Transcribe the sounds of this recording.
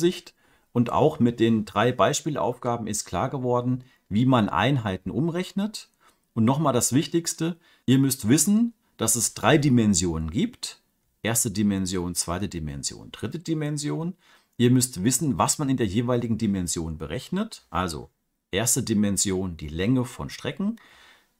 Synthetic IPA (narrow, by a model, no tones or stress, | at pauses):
zɪçt | ʔʊntʔa̰ʊxmɪt̚d̥eːndʁaɪbaɪʃpiːla̰ʊfɡ̥aːbm̩ɪst̚kʰl̥a̰ːɐɡəvɔɐdn̩ | viːmanʔa̰ɪnɦaɪtn̩ʔʊmʁɛçnət | ʔʊntnɔχmaːldasv̥ɪçtɪçstə | ʔiːɐmʏstv̥ɪsn̩ | d̥asɛsd̥ʁaɪdimɛnzjoːnənɡiːpt | ʔeːɐstədimɛnzjoːnt͡sv̥aɪtədimɛ̰nzjo̰ːnd̥ʁɪtədimɛnzjoːn | ʔiːɐmʏstv̥ɪsn̩vasmanɪndeːɐjeːvaɪlɪɡŋ̩dimɛnzjoːnbəʁɛçnətʔa̰lzo̰ | ʔeːɐstədimɛnzjoːndḭːlɛŋəfɔ̰nʃtʁ̥ɛkŋ̩